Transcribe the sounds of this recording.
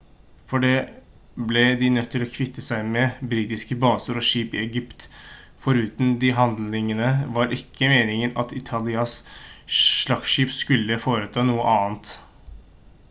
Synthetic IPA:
fɔɖɛ | blɛd̪ɪnœt̪ʰːɪlɔkʰʋɪt̪ːəsæɪmɛbɾiːt̪ɪskəbɑːsəɾɔʂiːpɪɛɡʏpt̪ | fɔɾʉːt̪nd̪ɪɦɑnd̪lɪŋənəʋɑɾʔɪkʰːəmeːnɪŋənɑ̰t̪ɪt̪ʰɑlɪɑs | ʂɭɑɡʃiːpskʉlːəfoːɾət̪ʰɑːnuːəʔɑːnt̪

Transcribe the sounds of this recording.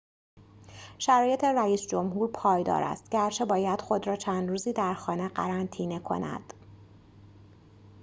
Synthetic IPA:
ʃæɾɒːje̞t̪ʰe̞ɾæiːsd͡ʒo̞mhuːɾpʰɒːjd̪ɒ̰ːɾʔæ̰st̪̚ɟæɾt͡ʃʰe̞bɒːjæd̪̥xo̞d̪ɾɒːt͡ʃʰæːnd̪ɾuːziːd̪æɾxɒːneɢæ̰ɾænt̪ʰiːne̞kʰo̞̰næ̰d̪̥

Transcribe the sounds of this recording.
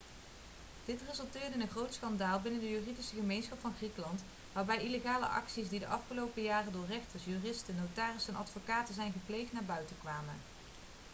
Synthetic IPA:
d̥ɪtrɪzɵlˠtɪːɹdənənχrowtsxɑndaːlˠbɪnəndəjyːridisəχəmejnsχɑpfɑnχrikəlɑnt | ʋaːɹbɛjileɣaːlə̰ʔɑ̰ksisdidəʔɑfχəlowpəjaːrəndʊːɹrɛχtəɹsjyːrɪstənowtaːrɪsɛnʔɑ̰tfokaːtəzɛjnɣəplejχtnaːɹbœɥtəkʋaːmə̰n

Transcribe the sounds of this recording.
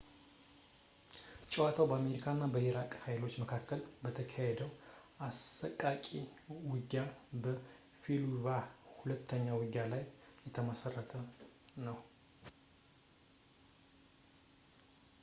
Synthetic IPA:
t͡ʃʼɛwat̪ʰawbəame̞ɾikʰanːabəiɾakʼhajlo̞t͡ʃːməkʰakːəlbət̪ʰəkʰahed̪əw | asːəkʼakʼiwɨɡːabə | filuvahulət̪ʰːəɲːawɨɡːalajjɛt̪ʰəməsərːət̪ʰənəw

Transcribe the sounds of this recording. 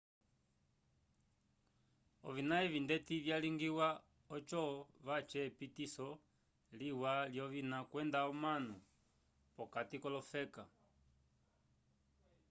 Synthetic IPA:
ɔ̰vinaɛvindɛtivjaliŋɡiwa | ɔt͡ʃɔvat͡ʃɛpitisɔ | liwaljɔvinakwɛndaɔmanu | pɔkatikɔlɔfɛka

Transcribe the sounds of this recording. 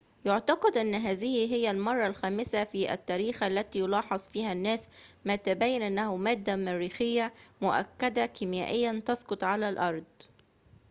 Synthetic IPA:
jʊʕt̪ɑqɑd̪ʔɪnːɦæːðɪhiɦɪjːalmɑrˤːɑlxæːmɪsafiʔa̰t̪ːæːɾiːxʔalːæt̪iːjʊlɑːħɑzˤfiːhanːæːsmat̪abajːanʔanːæhʊmæːd̪ːamæɾiːxɪjːamʊʔa̰kːad̪akimja̰ːʔɪjːant̪ɑsqʊt̪ˤʕalalʔɑɾˤd̪ˤ

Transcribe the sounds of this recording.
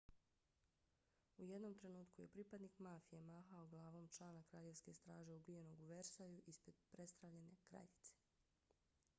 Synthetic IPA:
uje̞d̪no̞mt̪ɾe̞nuːt̪kuje̞pɾipad̪nikmaːfijemaːxaoɡlˠaːʋo̞mt͡ʃlˠaːnakɾaːʎe̞ʋske̞st̪ɾaːʒe̞ubije̞no̞ɡuʋeɾsajuʔispɾed̪pɾe̞st̪ɾaʋʎe̞ne̞kɾa̰ʎit̪se̥

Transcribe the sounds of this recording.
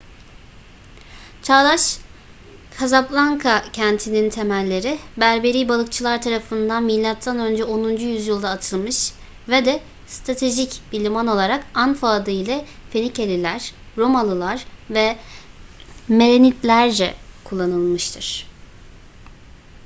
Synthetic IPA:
t͡ʃʰalˠaʃ | kʰazaplˠaŋkʰacʰænt̪ʰinint̪ʰe̞mælʲːe̞ɾibæɾbe̞ɾiːbalˠɯkt͡ʃʰɯlˠaɾt̪ʰaɾafɯnd̪anmilʲːat̪ʰːanø̞nd͡ʒɛo̞nund͡ʒujyzjɯlˠd̪aːt̪ʰɯlˠmɯʃ | vɛd̪ɛ | st̪ɾat̪ʰe̞ʒicbilʲimano̞lˠaɾakanfaːd̪ɯilʲɛfenicelʲilʲæɾ̥ | ɾo̞malˠɯlˠaɾvɛ | me̞ɾenit̪lʲæɾd͡ʒɛ̰kʰulˠːanɯlˠmɯʃt̪ʰɯɾ̥

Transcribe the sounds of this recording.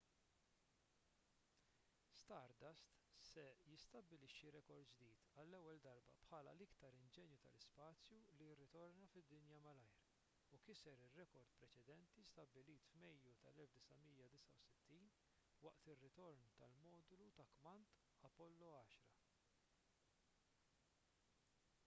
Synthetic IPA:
st̪ɐɾd̪ɐst̪sɛjɪst̪ɐbːɪlɪʃːiɾɛkɔɾd̪d͡ʒd̪iːt̪ɐlːɛwːɛld̪ɐɾbɐ̰pħɐːlɐ̰lɪkt̪ɐɾɪnd͡ʒɛːnjut̪ɐ̰lɪspɐːt͡sjulijɪrːɪt̪ɔɾnɐfɪd̪ːɪnjɐmɐlɐjɾ | ukɪsɛɾɪrːɛkɔɾd̪pɾɛt͡ʃɛd̪ɛnt̪ist̪ɐbːɪliːt̪fmɛjːut̪ɐ̰lɛlfd̪ɪsɐmiːjɐd̪ɪsɐwsɪt̪ːiːn | wɐʔt̪ɪrːɪt̪ɔɾnt̪ɐlmɔːd̪ʊlut̪ɐkmɐnt̪ | ɐpɔlːɔɐːʃɾɐ

